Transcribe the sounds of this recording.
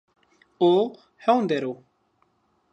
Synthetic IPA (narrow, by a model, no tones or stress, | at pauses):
oː | hɛwnd̪ɛɾoː